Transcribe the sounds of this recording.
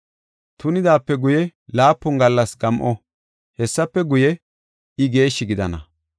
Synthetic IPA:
t̪ʊnɪd̪aːpːɛɡʊjɛlaːpːʊŋɡɐlːɐsɡɐmʔɔ | hɛsːɐpːɛɡʊjɛ | ɪɡe̞ːʃːɪɡɪd̪ɐnɐ̰

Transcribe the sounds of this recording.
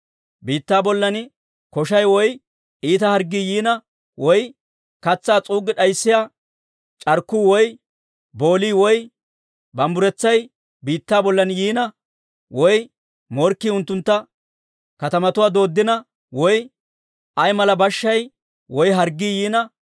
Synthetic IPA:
biːt̪ːaːbɔlːɐnɪ | kɔʃɐjwɔj | iːt̪ɐhɐɾɡiːjiːnɐ | wɔj | kɐt͡sːaːt͡sʼuːɡɪɗɐjsːɪjaː | t͡ʃʼɐɾkːʊwɔj | bo̞ːliːwɔj | bɐmbʊɾɛt͡sːɐj | biːt̪ːaːbɔlːɐnjiːnɐ | wɔj | mɔɾkːiʊnt̪ːʊnt̪ːɐ | kɐt̪ɐmɐt̪ʊwaːd̪o̞ːd̪ːɪnɐ | wɔj | ʔɐjmɐlɐbɐʃːɐj | wɔjɦɐɾɡːiːjiːnɐ

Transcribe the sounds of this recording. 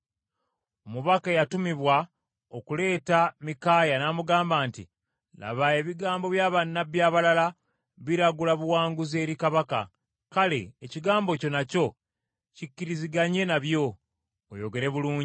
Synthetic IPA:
omuβakejatumiβwa | o̞kule̞ːtamikaːjanaːmuɡaːmbaːntḭ | la̰βae̞βiɡaːmbo̞βjaːβanːabjaːβalala | βiɾaɡulaβuwaːŋɡuze̞ːɾikaβaka̰ | kale̞̰ːciɡaːmbo̞co̞naco̞ | cicːiɾiziɡaɲe̞naβjo̞ː | jo̞ɡe̞ɾe̞βuluːɲi

